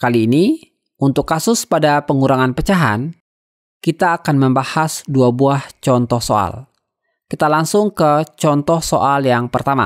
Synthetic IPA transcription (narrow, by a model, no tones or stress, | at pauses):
kaliːni | ʔunt̪ʊkːasʊspadapəŋuɾaŋanpət͡ʃaɦa̰n | kit̪aːkanməmbahasduabuaht͡ʃɔnt̪ɔhsoa̰l | kit̪alaŋsʊŋkət͡ʃɔnt̪ɔhsoʔaljaŋpərt̪ama̰